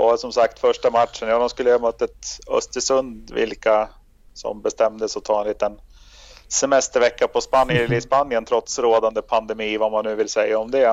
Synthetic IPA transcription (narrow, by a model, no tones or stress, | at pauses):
sɔmsakt̪fœʂʈamatʂənjaːd̪ɔmskɵlːəəamœt̪ːət̪œ̰st̪əʂɵnd̪vɪ̰lka | sɔ̰mbɛst̪ɛmd̪əsɔt̪ʰɑːɛnliːt̪ən | sɛmɛst̪əɾvɛkːapʰɔspanjɛlːəɪspanjənt̪ʰɾɔt̪sɾoːd̪and̪əpʰand̪ɛmiːvamanːʉːvɪlsɛjːaɔmd̪ɛ